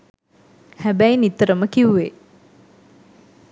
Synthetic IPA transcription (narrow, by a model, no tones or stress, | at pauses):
hæbæjinit̪əɾəməkiuʋe